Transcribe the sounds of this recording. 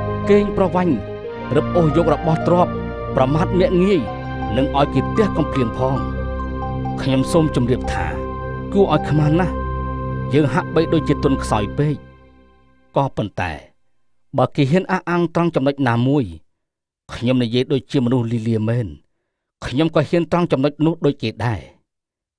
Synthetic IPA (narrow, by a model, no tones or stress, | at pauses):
keːɲprɑʋaɲ | rɨp̚ʔoːhjɔːk̚rɔɓɑht̪rŏəp̚ː | rɑmaːt̪̚nɛ̆əʔŋiəj | nɨŋʔaɔjkeːt̪ɛ̆əhkɑmpʰliəŋpʰɑːŋ | kʰɲomsoːmt͡ɕumriəp̚t̪ʰa̰ːkuəʔaɔjkʰmaːnnah | jəːŋɦaʔɓəjɗoːc̚t͡ɕiət̪ʊ̆nkʰsaɔjpeːc̚ | kɑːpont̪a̰ɛ | ɓaːkeːɦiənʔahʔaːŋt̪rɑŋt͡ɕɑmnoc̚naːmuəj | kʰɲomnijiəjɗoːc̚t͡ɕiəmɔnuhliːliəmɛːn | kʰɲomkɑːhiənt̪rɑŋt͡ɕɑmnoc̚nʊ̆əhɗoːc̚keːɗaɛ